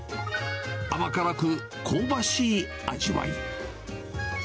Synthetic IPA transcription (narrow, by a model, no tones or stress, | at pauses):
amakaɾakɯ̟ | kʰoːbaɕiː | a̰d͡ʑiβa̰ḭ